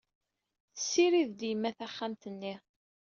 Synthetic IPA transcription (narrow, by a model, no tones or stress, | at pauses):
θə̥sːiɾiðd̪jəmːæθæχːamt̪ənːi